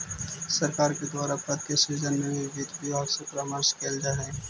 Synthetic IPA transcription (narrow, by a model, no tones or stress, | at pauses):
sɐɾkaːɾked̪waːɾapɐd̪kesiːzənmẽbʱiʋid̪bʱiɔːɾsepɾaːməɾskeːld͡ʒaɦɛ̃ː